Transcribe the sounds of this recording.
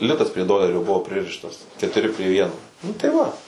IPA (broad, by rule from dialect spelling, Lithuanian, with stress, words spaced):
ˈlʲɪtɐs pʲrʲiɛ ˈdoːlʲɛrʲoː ˈbʊʋoː ˈpʲrʲɪrʲɪʃtɐs kʲɛtʊˈrʲɪ pʲrʲɪ ˈʋʲiɛnoː nʊ tɐɪ ˈʋɐ